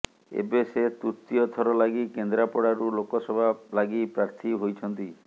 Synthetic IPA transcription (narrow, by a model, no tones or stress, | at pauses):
ḛbeset̪ut̪ːiɔt̪ʰɔɾɔlaɡikend̪ɾapɔɽaɾulokɔsɔbʱalaɡipɾaɾt̪ʰiɦojt͡ʃʰɔnt̪i